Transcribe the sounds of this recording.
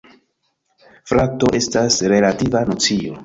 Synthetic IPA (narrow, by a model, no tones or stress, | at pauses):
fɾato̞ʔe̞stasɾe̞lativanot͡sio̞̰